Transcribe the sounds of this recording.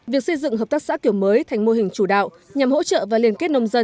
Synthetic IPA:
vi˨˩ək̚sə˧jzɨ̰˧˨ŋɦəː˨˩p̚t̪aː˦˥k̚sa̰ː˧˥ki˧˩əwməː˨˦jt̪ʰa˨˩jŋ̟mo˧hï˨˩ŋ̟t͡ɕu˧˩ɗa̰ː˧˨w | ɲa˨˩mho̰˧˥t͡ɕə̰˧˨vaː˨˩li˧˩ənke˦˥t̚nə˧wŋ͡mzə˧

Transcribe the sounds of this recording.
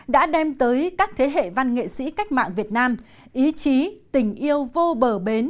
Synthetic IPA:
ɗa̰ː˧˥ɗɛ˧mt̪əː˨˦jkaː˦˥k̚t̪ʰe˨˦ɦḛ˧˨va˧nŋḛ˧˨sḭ˧˥ka˦˥jk̟̚ma̰ː˧˨ŋvi˨˩ət̚naː˧m | ʔi˨˦t͡ɕi˨˦t̪ï˧˩ŋ̟ʔi˧əwvo˧ɓəː˧˩ɓe˨˦n

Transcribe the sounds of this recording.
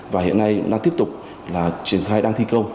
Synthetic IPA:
vaː˨˩hḭ˧˨ənːa˧jɗaː˧ŋt̪i˦˥əp̚t̪ʊ˨˩k͡p̚ | laː˨˩t͡ɕi˨˧˩ənxaː˧jɗaː˧ŋt̪ʰi˧kə˧wŋ͡m

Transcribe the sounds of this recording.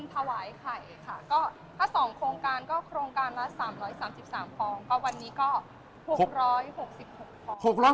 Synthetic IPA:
nt̪ʰa˧waː˩˦jkʰa˨˩jkʰa˥˩kɔː˥˩ | t̪ʰaː˥˩sɔː˩˦ŋkʰɾoː˧ŋkaː˧nkɔː˥˩kʰɾoː˧ŋkaː˧nla˦˥saː˩˦mɾɔː˦˥jsaː˩˦msi˨˩p̚saː˩˦mpɔː˧ŋkɔ˥˩wa˧nːiː˦˥kɔː˥˩ | ho˨˩k̚ɾɔː˦˥jho˨˩k̚si˨˩p̚ho˨˩kk̚pɔ˧ho˨˩k̚ɾɔː˦˥

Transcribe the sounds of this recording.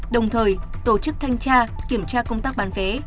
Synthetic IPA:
ɗə˨˩wŋ͡mt̪ʰəː˨˩jt̪o˧˩t͡ɕɨ˦˥k̚t̪ʰa˧jŋ̟t͡ɕaː˧ki˧˩əmt͡ɕaː˧kə˧wŋ͡mt̪aː˦˥k̚ɓaː˨˦nve˨˦

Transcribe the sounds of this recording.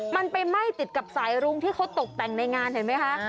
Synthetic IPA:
ma˧npa˧jma˥˩jt̪i˨˩t̪̚ka˨˩p̚saː˩˦jɾu˧ŋt̪ʰiː˥˩kʰa˦˥wt̪o˨˩k̚t̪ɛ˨˩ŋna˧jŋaː˧ntʰa˨˩˦jma˦˥jkʰa˦˥ʔ

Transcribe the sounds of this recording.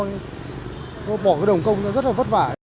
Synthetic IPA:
ɓɔː˧˩kaː˨˦jɗə˨˩wŋ͡mkə˧wŋ͡mnɔ˨˦zə˦˥t̚la˨və˦˥t̚vaː˧˩

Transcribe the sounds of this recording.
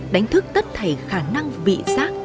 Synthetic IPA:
ɗa˨˦jŋ̟t̪ʰɨ˦˥k̚t̪ə˦˥t̚t̪ʰə˧˩jxaː˧˩na˧ŋvḭ˧˨zaː˦˥k̚

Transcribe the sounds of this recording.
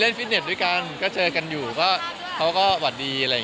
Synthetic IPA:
le˥˩nfi˦˥ne˨˩t̪̚du˥˩jka˧nkɔː˥˩t͡ɕɤː˧ka˧njuː˨˩kɔː˥˩ | kʰa˦˥wkɔː˥˩wa˨˩t̪̚diː˧ʔa˧ɾa˧ja˨˩

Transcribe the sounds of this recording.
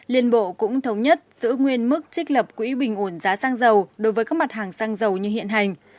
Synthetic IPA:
li˧˩ənɓo̰˧˨kʊ̰˧˥ŋ͡mt̪ʰə˨˦wŋ͡mɲə˦˥t̚z̥ɨ̰˧˥ŋwi˧ənmɨ˦˥k̚t͡ɕï˦˥k̟̚ləː˨˩p̚kwḭ˧˥ɓï˨˩ŋ̟ʔu˧˩nzaː˨˦saː˧ŋzə˨˩wɗo˨˦jvəː˨˦jkaː˦˥k̚ma˨˩t̚haː˨˩ŋsaː˧ŋzə˨˩wɲɨ˧hḭ˧˨ənɦa˨˩jŋ̟

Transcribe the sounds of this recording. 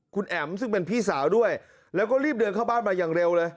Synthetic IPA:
kʰu˧nʔɛ˨˩msɯ˥˩ŋpe˧npʰiː˥˩saː˩˦wdu˥˩əj | lɛː˦˥wkɔː˥˩ɾiː˥˩p̚dɯ˧nkʰa˥˩baː˥˩nmaː˧jaː˨˩ŋɾe˧wlɤː˧j

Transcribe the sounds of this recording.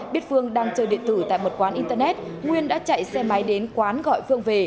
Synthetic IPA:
ɓi˦˥ət̚fɨ˧əŋɗaː˧ŋt͡ɕəː˧˩ɗḭ˧˨ənt̪ɨ˧˩t̪a̰ː˧˨jmo˨˩t̚kwaː˨˦nʔi˧nt̪ə˧nɛ˦˥t̚ | ŋwi˧ənɗa̰ː˧˥t͡ɕa̰˧˨jsɛ˧ma˨˦jɗe˨˦nkwaː˨˦nɣɔ̰˧˨jfɨ˧əŋve˨˩

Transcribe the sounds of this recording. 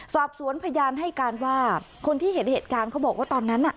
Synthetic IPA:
sɔː˨˩p̚su˩˦ənpʰa˧jaː˧nɦa˥˩jkaː˧nwaː˥˩kʰo˧nt̪ʰiː˥˩he˨˦˥t̪̚heː˨˩t̪̚kaː˧nkʰa˦˥wbɔː˨˩k̚waː˥˩t̪ɔː˧nːa˦˥nːʔa˨˩ʔ

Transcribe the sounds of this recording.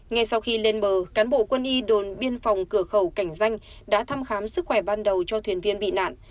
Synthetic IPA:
ŋa˧jsa˧wxi˧le˧nɓəː˨˩kaː˨˦nɓo̰˧˨kwə˧nʔi˧ɗo˨˩nɓi˧ənfa˨˩wŋ͡mkɨ˧˩əxə˧˩wka˧˩jŋ̟za˧jŋ̟ | ɗa̰ː˧˥t̪ʰaː˧mxaː˨˦msɨ˦˥k̚xwɛ˧˩ɓaː˧nɗə˨˩wt͡ɕɔ˧t̪ʰwi˨˩ənvi˧ənɓḭ˧˨na̰ː˧˨nʔ

